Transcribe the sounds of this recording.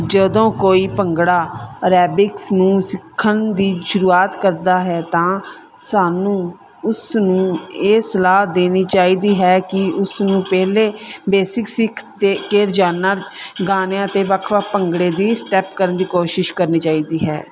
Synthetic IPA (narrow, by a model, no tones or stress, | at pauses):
d͡ʒəd̪õːkoːiːpəŋɡɽaːɾɛːbɪksnũːsɪkʰːənd̪iːʃʊɾuːaːt̪kəɾd̪aːɦɛːt̪ãː | saːnũː | ʊsnũːeːsəlaːɦd̪eːniːt͡ʃaːiːd̪iːɦɛːkɪʊsnũːpɛːleːbeːsɪksɪkʰd̪eːkeːɾd͡ʒaːnaːɡaːneãːt̪eːʋəkʰʋaːpəŋɡɽeːd̪iːsʈɛːpkəɾənd̪iːkoːʃɪʃkəɾniːt͡ʃaːiːd̪iːɦɛ̰ː